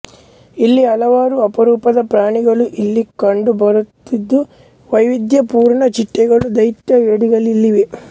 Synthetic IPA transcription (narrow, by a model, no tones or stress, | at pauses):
ilːiɐlɐʋaːɾuɐpɐɾuːpɐd̪ɐpɾaːɳiɡɐɭuʔilːikɐɳɖubɐɾut̪ːid̪ːu | ʋɐjʋid̪jɐpuːɾɳɐt͡ʃiʈːɛɡɐɭud̪ɐjt̪jɐʋeːɽiɡɐɭilːiʋe